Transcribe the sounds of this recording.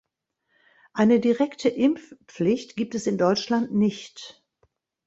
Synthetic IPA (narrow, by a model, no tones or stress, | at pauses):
ʔaɪnədiʁɛktʰəʔɪmfp͡flɪçtɡ̥iːp̚tɛsɪndɔʏt͡ʃlantnɪçt